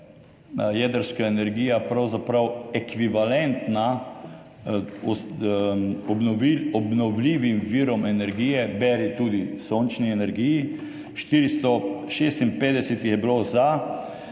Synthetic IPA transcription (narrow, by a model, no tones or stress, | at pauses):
jɛd̪əɾskaɛnɛɾɡiːjapɾawzapɾawɛkʋiʋalɛnt̪na | ɔs | ɔbnɔiɔbnɔwliːʋimʋiːɾɔmɛnɛɾɡiːjɛbɛɾit̪uːd̪isoːnt͡ʃniɛnɛɾɡiːji | ʃt̪iːɾist̪ɔʃeːst̪inpeːd̪ɛsɛt̪ixjɛbiloza